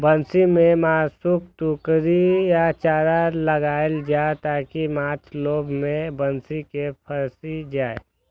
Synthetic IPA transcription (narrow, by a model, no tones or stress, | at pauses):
bənsimẽmaːsuk̚t̪ukɾijat͡ʃaːɾaləɡaːld͡ʒaːet̪aːkimãːt͡ʃʰloːbʱmẽbənsikepʰəɾsid͡ʒaːe